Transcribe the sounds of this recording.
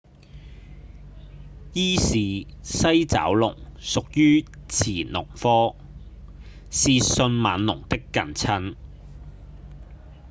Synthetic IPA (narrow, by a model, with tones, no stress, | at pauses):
jiː˥siː˨sɐ˥jt͡sa̰ː˨˥wlʊ˨˩ŋsʊ˨k̚jyː˥t͡sʰiː˨˩nlʊ̰˨˩ŋfɔː˥ | siː˨sɵ˧nmɐː˨˧nlʊ˨˩ŋt̪ɪ˥kːɐ˨˧nt͡sʰɐ˥n